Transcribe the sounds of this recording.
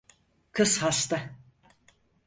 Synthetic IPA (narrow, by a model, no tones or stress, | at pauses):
kʰɯshast̪a